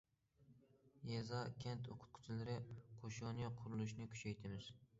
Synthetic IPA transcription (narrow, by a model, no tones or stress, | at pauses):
jezɑkʲʰɛnt̪ʰoqʰʊ̥t̪̚qʰʊ̥t͡ʃʰilɪɾɪqʰoʃʊnɨqʰʊɾulˠuʃnɪkʲʰy̥t͡ʃʰɛjt̪ʰɪmɪz̥